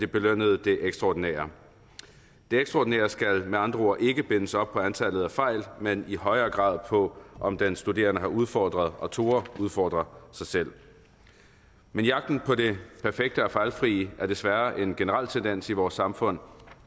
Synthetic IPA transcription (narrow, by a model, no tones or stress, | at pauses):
d̥e̝b̥e̝løn̰əð̞̩ˠd̥e̝ʔeɡ̥sd̥ʁɑɒːd̥inɛ̰ːɐ | d̥e̝eɡ̥sʁɑɒ̰ːd̥inɛ̰ːɐsɡ̥ælmeɑ̈nd̥ʁɐo̝ɐ̰ʔe̝ɡ̥əb̥e̝nəsɒ̽b̥̚pʰɒ̽ænt͡sʰælð̞̩ˠæfɑ̈ɪ̰lmeniɦɒ̽ɪɐːɡ̥ʁɑ̰̈ːðˠpʰɒ̽ʔɒ̽md̥ensd̥ude̝̰ːɐnəɦɑ̈uð̞ˠfɒ̰ːd̥ʁɐð̞̩ˠɒ̽t͡sʰo̝ːɐuð̞ˠfɒ̰ːd̥ʁɐsɑ̈ɪsel̰ | menjɑ̈ɡ̥̚d̥n̩pʰɒ̽ɾe̝pʰæɐfeɡ̥̚d̥əɒ̽fɑ̈ɪlfʁiːəæɐd̥e̝sʋæɐʔe̝nɡ̥e̝nəʁɑl̰t͡sʰend̥en̰siʋɒːsːɑ̈mfɔ̽n̰